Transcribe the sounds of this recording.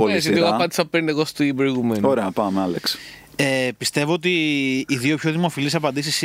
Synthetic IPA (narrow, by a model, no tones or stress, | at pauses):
polisiɣɐpɐnd̪isɐpend̪eɣost̪ubɾoiɣumenoɾeɐpɐmeɐleks | epist̪e̞voot̪iːðio̞pço̞ðimo̞filisɐpɐnd̪isis